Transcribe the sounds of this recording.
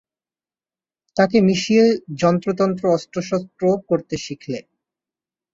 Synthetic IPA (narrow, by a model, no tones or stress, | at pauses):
t̪akemiʃied͡ʑɔnt̪ɾot̪̬ɔnt̪ɾoɔstɾoʃɔt̪ːɾokoɾt̪eʃikʰle